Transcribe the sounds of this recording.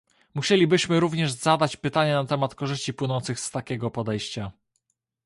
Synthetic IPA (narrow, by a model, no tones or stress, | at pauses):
muɕelʲibɘɕmɘɾuvɲɛʐz̥ad̪at͡ɕpɘt̪aɲɛnat̪ɛmat̪kɔʐɘɕt͡ɕipwɘnɔnt̪sɘɣxst̪akʲɛɡɔpɔd̪ɛjɕt͡ɕa